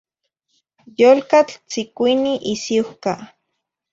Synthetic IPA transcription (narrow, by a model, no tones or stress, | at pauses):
jolkat͡ɬt͡sikʷiniʔisihka